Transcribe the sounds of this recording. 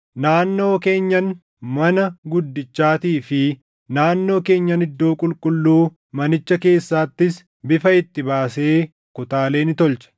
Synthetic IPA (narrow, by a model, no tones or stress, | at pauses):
naːnːo̞ːke̞ːɲːɐn | mɐnɐɡʊd̪ːɪt͡ʃːaːt̪iːfɪ | naːnːo̞ːke̞ːɲːɐnɪd̪ːo̞ːkʼʊlkʼʊlːuː | mɐnɪt͡ʃːɐke̞ːsːaːt̪ːɪs | bɪfɐɪt̪ːɪbaːse̞ː | kʊt̪aːle̞ːnɪt̪ɔlt͡ʃɐ̥